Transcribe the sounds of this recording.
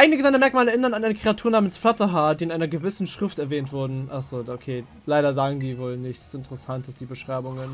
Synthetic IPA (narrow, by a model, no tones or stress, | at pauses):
aɪənəɡəzaɪnɐmɛɐkmaːləɛɐʔɪnɐnanʔaɪnəkʁ̥eatʰuːɐnaːmənsflatəɦaːɐdiːɪnʔaɪnɐɡəvɪsn̩ʃʁ̥ɪftɛɐvɛːntv̥ʊɐdn̩ʔaχz̥oːokʰeː | laɪɾɐzaːɡŋ̩diːvoːlnɪçɪntəʁəsantʰəsd̥iːbəʃʁ̥aɪbʊŋən